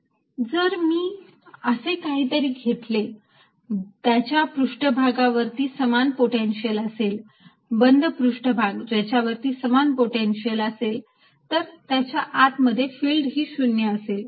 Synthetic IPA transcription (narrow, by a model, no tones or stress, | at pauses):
d͡zəɾmiː | əsekaɦiːt̪əɾiːɡʱeʈle | t̪jat͡ɕjapɾuʂʈəbʱaɡaʋəɾt̪iːsəmanpoʈenɕiələsel | bənd̪ʱəpɾuʂʈəbʱaɡd͡ʑat͡ɕjaʋəɾt̪iːsəmanpoʈenɕiələsel | t̪əɾt̪jat͡ɕjaʔat̪məd̪ʱːjefiːlɖɦiːɕunjəəsel